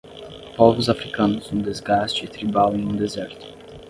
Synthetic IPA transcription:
pɔvʊzafɾikɐ̃nʊsũd̪ezɡast͡ʃɪɪt̪ɾibawẽj̃ũd̪ezɛɾt̪ʊ̥

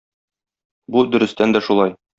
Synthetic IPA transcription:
bud̪ɵ̆ɾɘ̆st̪ænd̪æʃulˠɑj

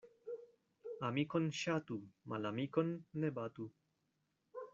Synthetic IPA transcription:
amikonʃat̪umalamikonːebat̪u

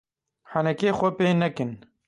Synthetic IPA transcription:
ħanɛkeːxʷɛpeːnɛkɨn

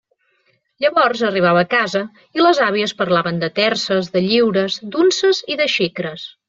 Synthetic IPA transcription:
ʎəβɔrzəriβ̞aβəːkazə | iləzaβiəspəɾlaβənd̪ət̪ɛrsəzðəʎiwɾəzd̪unsəziðəʃikɾəs

